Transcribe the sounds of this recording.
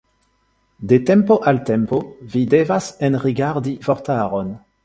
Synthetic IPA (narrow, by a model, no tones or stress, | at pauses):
detɛmpoʔaltɛmpovidevasɛnʁiɡaʁdivɔʁt̪aʁon